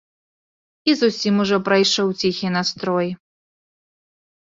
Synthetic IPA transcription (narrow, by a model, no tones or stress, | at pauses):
izusʲimuʐɔpɾajʂɔwt͡sʲixʲinast̪ɾɔj